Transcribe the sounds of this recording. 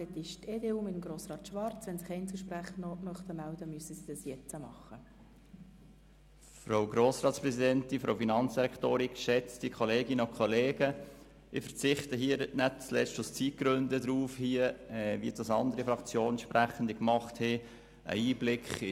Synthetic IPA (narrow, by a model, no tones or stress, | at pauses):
ɛt̪ɪʃt̪eːd̪eːuːmɪt̪əmɡɾoːsrɑːt̪ʃʋɑɾt͡sʋɛnsɪχɛɪnt͡suʃpɾæχəmœχt̪əmæld̪əmyəsəsid̥̪ɑsjɛt͡səmɑχːə | fɾowɡɾoːsɾɑːtspɾɛsidɛnt̪ɪnfɾo̰ʊfinɑnt͡sd̥iɾɛkt̪oːɾikʃɛt͡stikʰχɔleːɡɪnəʊkʰχɔleːɡ̥ə | ɪfəɾt͡sɪχt̪əɦiːəɾtnæt̚t͡slɛ̰t͡ʃtʊst͡sit̚ɡ̥ɾʏndəd̪ɾuːfhiəɛʋḭd̥ɑsɑnd̪əɾifɾɑkt͡sjoːnʃprʔæχən̩dɪkmɑχtheː | ʔə̰iːblɪkχɪ